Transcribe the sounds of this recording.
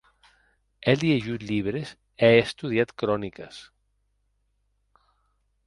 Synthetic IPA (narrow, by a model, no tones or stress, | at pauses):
ɛlieʒut̪ʎiβɾes | ɛest̪uðiat̪kɾɔnikəs